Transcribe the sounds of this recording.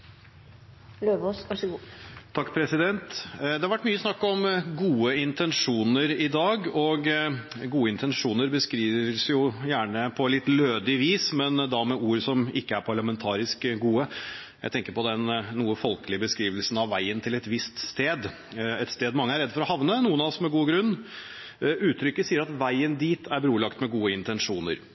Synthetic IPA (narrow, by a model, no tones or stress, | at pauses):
løːʋosʋɑʂəɡuːt̪ʰɑkːpʰɾɛsɪd̪ɛnt̪d̪ɛhɑɾʋæʈmyːəsnɑkːɔmɡuːəɪnt̪ʰɛnʂuːnəɾɪd̪ɑːɡɔɡɡuːəɪnt̪ʰɛnʂuːnəɾbəskɾiːʋəɾsjʊjæːɳəpʰɔlɪt̪ːløːd̪ɪʋiːsmɛnd̪ɑmɛuːɾsɔmɪkːəæɾpʰɑɾɭəmɛnt̪ʰɑːɾɪskɡuːəjæ̰ɪt̪ɛŋkəɾpʰɔd̪ɛnːuːəfɔlkəlɪəbəskɾiːʋəlsn̩ɑʋʋæɪənt̪ʰɪlɛt̪ʋɪst̪st̪eːd̪ | ɛt̪st̪eːd̪mɑŋːəæɾɛd̪ːfɔɾɔhɑʋnənuːənɑɔsmɛɡuːəɡɾʉnː | ʉːt̪ʰɾʏkːəsiːəɾɑt̪ʋæɪənd̪iːt̪ʰæɾbɾuːlɑkt̪mɛɡuːəɪnt̪ɛnʂuːnə̰ɾ